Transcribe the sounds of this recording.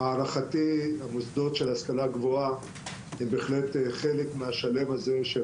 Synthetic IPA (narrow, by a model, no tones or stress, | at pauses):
aːʁaχatiamosd̪o̞tʃelhaskalaɡvoa | hembeːχle̞teχe̞lekmeaʃale̞maze̞ʃe